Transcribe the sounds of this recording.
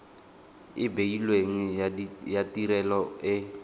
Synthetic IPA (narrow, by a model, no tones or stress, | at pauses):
ɪbeilweŋ̩jatiɾɛlɔɪ